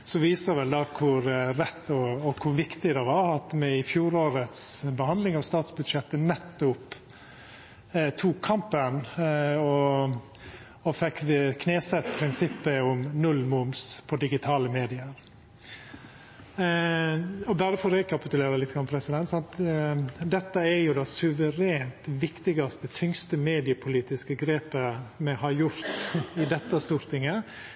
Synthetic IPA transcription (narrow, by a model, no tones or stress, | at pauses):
sɔʋiːsəɾʋɛld̪ɑːkʰʊɾɾɛt̪ːɔɔkʰʊʋɪkt̪ɪd̪ɛʋɑɾɑt̪mɛɪfjuːɾoːɾət̪sbəhɑnd̪lɪŋɑʋst̪ɑːt̪sbʉd̪ʃjɛt̪ːənɛt̪ːʊp | t̪ʰuːkʰːɑmpənɔ | ɔfɛkːkʰneːsɛt̪ːpʰɾɪnsɪpːəʊmnʉlːmʊmspʰɔd̪ɪɡɪt̪ʰɑːləmeːd̪ɪəɾ | ɔbæɾəfɔɾɛkʰɑpɪt̪ʉleːɾlɪt̪ːɡɾɑnpʰɾɛsɪd̪ɛnt̪sɑnt̪ | d̪ɛt̪ːəɛɾjʊd̪ɛsʉʋəɾeːnt̪ʋɪkt̪ɪɡɑst̪ət̪ʰʏŋst̪əmeːd̪ɪəpʰʊliːt̪ɪskəɡɾeːpəmɛhɑɾjʊɾt̪ɪd̪ɛt̪ːəst̪uːɾt̪ɪŋə